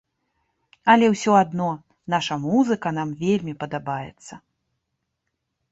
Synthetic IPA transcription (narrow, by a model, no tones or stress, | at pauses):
ɐlʲɛwsʲɔad̪nɔ | naʂɐmuzɨkɐnamvʲelʲmʲipɐd̪abajɛ̰t̪sːɐ